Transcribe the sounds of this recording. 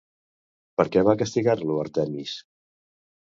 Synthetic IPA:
pəɾkɛβakəst̪iɣaɾluəɾt̪ɛmis

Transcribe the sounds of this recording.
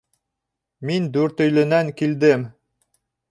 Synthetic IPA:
mind̪ʉɾt̪ɵ̆jlɘ̆næŋkild̪ɘm

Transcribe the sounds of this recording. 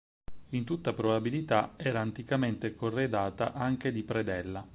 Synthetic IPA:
int̪ut̪ːapɾobabilit̪aɛːɾaːnt̪ikament̪ekorːed̪aːt̪aʔaŋk̟ed̪ipɾed̪ɛlːa

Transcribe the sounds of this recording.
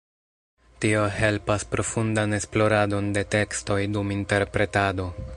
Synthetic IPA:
tio̞he̞lpaspɾʔo̞fundane̞splo̞ɾado̞nde̞te̞ksto̞jduminte̞ɾpɾe̞tado̞

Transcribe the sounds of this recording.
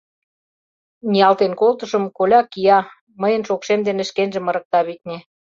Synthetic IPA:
nʲiɑlt̪enkolt̪əʃə̆mkolʲɑkiɑ | məjə̆nʃokʃemd̪enĕʃkenʒĕmə̆ɾə̆k̚t̪ɑβik̪̚nʲe

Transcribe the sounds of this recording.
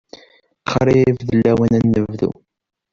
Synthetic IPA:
χɾiivðəlːæwænænːəvvðṵ

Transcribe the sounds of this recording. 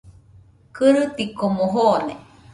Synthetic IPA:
kɨɾɨt̪ikomoɦone

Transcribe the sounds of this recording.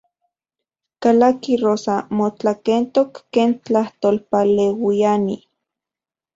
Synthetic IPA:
kalakiroːsamot͡ɬakent̪okːeːnt͡ɬaht̪oːlpalewiani

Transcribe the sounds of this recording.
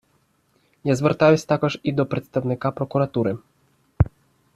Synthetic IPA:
jazvɛɾt̪ajɛsʲt̪akɔʂid̪ɔpɾɛt̪st̪awnɘkapɾɔkuɾat̪uɾɘ

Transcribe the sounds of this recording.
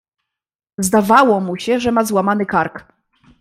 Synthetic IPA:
zd̪avawɔmuɕɛʐɛmazwamanɘkaɾk

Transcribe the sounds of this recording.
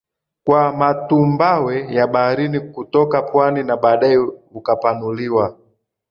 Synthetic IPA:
kwamatumbawɛjaɓahaɾinikutɔkapwaninaɓaːɗajɛukapanuliwa

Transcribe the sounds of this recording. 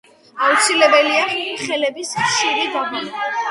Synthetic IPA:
aut̪sʰilɛbɛliaχɛlɛbisχʃiɾid̪abuna

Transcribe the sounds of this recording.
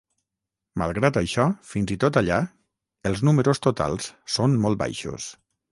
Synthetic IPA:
ma̰lˠɣɾat̪əjʃɔfinzit̪ot̪aʎa | əlˠznuməɾust̪ut̪a̰lˠssonmɔl̚ˠba̰jʃṵs

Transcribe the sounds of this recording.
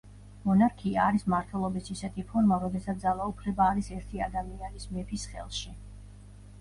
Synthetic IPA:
mɔnaɾkʰiaːɾismaɾt̪ʰwɛlˠɔbisisɛt̪ʰipʰɔɾmaɾɔd̪ɛsat̪d̪alˠaupʰlɛbaːɾisɛɾt̪ʰiad̪amianismɛpʰisχɛ̰lˠʃi

